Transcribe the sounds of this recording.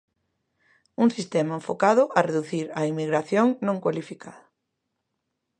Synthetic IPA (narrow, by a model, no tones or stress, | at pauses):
uŋsist̪ɛmɐeɱfokaðʊʔɐreðuθiɾɐimiɣɾaθjoŋnõŋkwalifikʰaða